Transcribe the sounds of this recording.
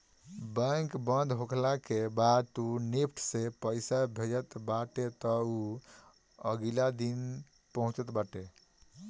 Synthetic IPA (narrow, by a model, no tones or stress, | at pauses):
bə̃ŋkbənd̪ʱɦokʰlakebad̪t̪unipʰʈʰsepəɪsabʱed͡ʒət̪baʈet̪ɔu | ə̰ɡilad̪in | pəɦũt͡ʃət̪baʈe